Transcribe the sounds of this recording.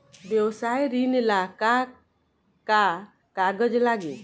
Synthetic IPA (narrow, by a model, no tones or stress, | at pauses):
bjɔwsajɾinlaka | ka | kaɡəd͡ʒlaɡit̪